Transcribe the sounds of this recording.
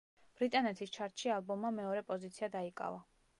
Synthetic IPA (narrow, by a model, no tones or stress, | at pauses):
b̥ɾit̪ʼanɛt̪ʰist͡ʃʰaɾt̪ʼʃialˠbɔmːamɛɔɾɛpʼɔzit̪sʰiad̪aikʼa̰va